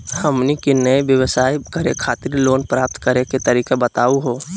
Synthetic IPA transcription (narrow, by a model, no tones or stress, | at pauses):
hɐmnikinɐeʋjəʋsaːikɐɾekʰaːt̪ɪɾloːnpɾaːp̚t̪kɐɾeket̪ɐɾiːkebɐt̪aːuɦoː